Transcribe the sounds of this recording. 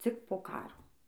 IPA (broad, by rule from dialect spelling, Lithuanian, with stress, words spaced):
ˈt͡sʲɪk poː ˈkɑːroː